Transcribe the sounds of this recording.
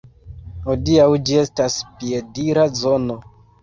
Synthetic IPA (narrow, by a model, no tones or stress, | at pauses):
hodiawd͡ʒie̞staspiediɾazo̞no̞